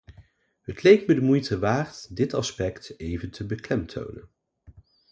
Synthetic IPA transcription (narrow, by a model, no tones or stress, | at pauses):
ɦətlejk̚mədəmujtəʋaːrtdɪtɑspɛktejvəntʰəbəklɛmtʰo̰wnə̰n